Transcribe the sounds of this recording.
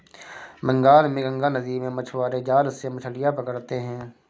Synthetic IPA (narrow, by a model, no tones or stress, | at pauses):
mə̃ŋɡaːlmẽːɡə̃ŋɡaːnəd̪iːmẽmət͡ʃʰʋaːɾed͡ʒaːlsemət͡ʃʰəlɪjapəkəɾt̪eɦɛ̃ː